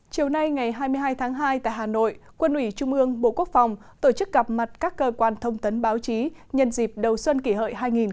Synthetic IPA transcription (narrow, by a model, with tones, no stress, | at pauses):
t͡ɕi˨˩əwna˧jŋa˨˩jɦaː˧jmɨ˧əjɦaː˧jt̪ʰaː˨˦ŋɦaː˧jt̪a̰ː˧˨jɦaː˨˩no̰˧˨jkwə˧nʔwi˧˩t͡ɕʊ˧ŋ͡mʔɨ˧əŋɓo̰˧˨ku˦˥ək̚fa˨˩wŋ͡m | t̪o˧˩t͡ɕɨ˦˥k̚ɣa˨˩p̚ma˨˩t̚kaː˦˥kːəː˧kwaː˧nt̪ʰə˧wŋ͡mt̪ə˨˦nɓaː˨˦wt͡ɕi˨˦ɲə˧nzi˨˩p̚ɗə˨˩wswə˧nki˧˩ɦə̰ː˧˨jɦaː˧jŋi˨˩n